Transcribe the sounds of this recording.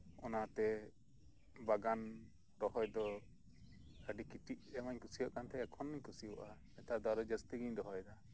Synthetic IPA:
ɔnat̪ɛ | baɡan | ɾɔɦɔjd̪ɔ | kaɖikiʈiʔ̚d̪ɛmaɲkusijɔʔkant̪ʰɛːkʰɔnːaɲkusiɔʔa | ɛt̪ad̪ɔaɾɔd͡ʒast̪iɡiɲɾɔɦɔjd̪a

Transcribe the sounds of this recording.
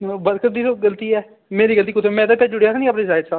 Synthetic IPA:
bəɾkəɾd̪iːt̪oːɡəlt̪iːɛː | meːɾiːɡəlt̪̬iːkʊt̪ʰemɛ̃ːd̪pɛːd͡ʒʊɽejaːsãːnĩːapneːsaːɪdsaː

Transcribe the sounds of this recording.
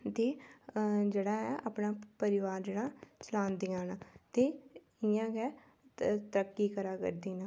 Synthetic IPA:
t̪eː | d͡ʒeːɽaːɛʔa̰ːpnãːpəɾɪʋaːɾd͡ʒeːɽaːt͡ʃəlaːnd̪iːãːnaːt̪eː | ɪjãːkɛː | t̪əɾəkːiːkəɾaːkə̰ɾd̪iːnaː

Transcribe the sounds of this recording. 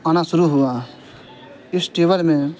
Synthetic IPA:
aːñãːsʊɾuɦʊaː | ɪsʈeːʋəlmẽː

